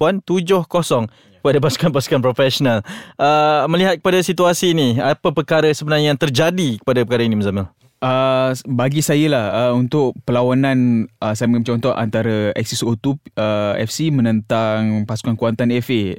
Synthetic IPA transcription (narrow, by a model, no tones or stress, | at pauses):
puant̪ud͡ʒʊhkɔsɔŋ | kəpadapasu̥kanpasu̥kanpɾofɛsɔnaləməliɦat̪̚kəpadasit̪uasiːniapəpərkaɾasəbənarɲajat̪ərd͡ʒadikə̥padapəkaɾainiməzaməl | ʔəbaɡisajəlahəunt̪ʊʔpəlawanãnəsajəməŋamt͡ʃɔnt̪ɔʔʔa̰nt̪aɾaɛ̰k̚sisot̪upəɛ̰fsimə̃nə̃nt̪aŋpasu̥kankuant̪anɛfe